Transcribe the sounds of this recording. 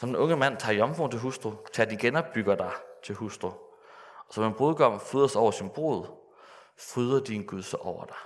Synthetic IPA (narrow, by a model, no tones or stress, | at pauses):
sɒ̽md̥enɔ̽ŋəmæn̰t͡sʰɑ̈ːjɒ̽mfont͡sʰe̝ɦusd̥ʁo̝t͡sʰeɐd̥iɡ̥enɒ̽b̥̚ːyɡ̥ɐd̥ɑ̈ɪt͡sʰe̝lhusd̥ʁo̝ | ɒ̽sɒ̽menb̥ʁoːðˠɡ̥ʰɒ̽m̰fyːðˠɐsɒʊɐsinb̥o̝̰ːð̩ˠ | fʁyːð̞ˠɐd̥inɡ̥uðˠsɑʔɒʊ̰ɐd̥ɑ̈